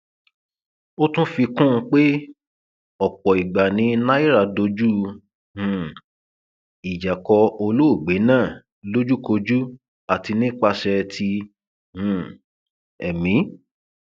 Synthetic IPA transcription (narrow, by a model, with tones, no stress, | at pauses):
o˦tũ˦fi˧kũ˦˧k͡pe˦ | ɔ˨k͡pɔ˨i˨ɡ͡ba˨nĩ˨˧˦na˦i˦ɾa˧do˧d͡ʒu˦ | hũ˦˨ | i˨d͡ʒa˨kɔ˧o˧lo˦o˦˨ɡ͡be˨˦nãː˦˨ | lo˦d͡ʒu˦ko˧d͡ʒu˦ | a˨ti˧nĩ˦k͡pa˧ʃɛ˧tʰi˧ | hũ˨ | ɛ˨mĩ˨˦